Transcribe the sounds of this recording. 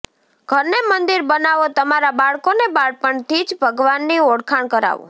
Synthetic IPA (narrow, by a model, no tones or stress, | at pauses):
ɡ̥ʱəɾnemənd̪iɾbənaʋot̪əmaɾabaɭkonebaɭpəɳt̪id͡ʒbʱəɡʋanːioɽkʰaɳkəɾa̰ʋṵ̃